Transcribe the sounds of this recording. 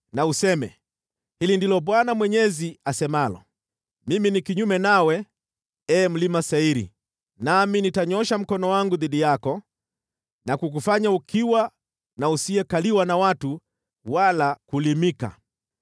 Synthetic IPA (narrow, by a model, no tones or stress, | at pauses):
nausɛmɛ̰ | hilindilɔɓwanamwɛɲɛziasɛmalɔ̰ | miminikiɲumɛnawɛ | ɛːm̩limasaiɾḭ | naminitaɲɔʃam̩kɔnɔwaŋɡuðiɗijakɔ | nakuk̬ufaɲaukʰiwa | nausiɛkaliwanawatu | walakulimika̰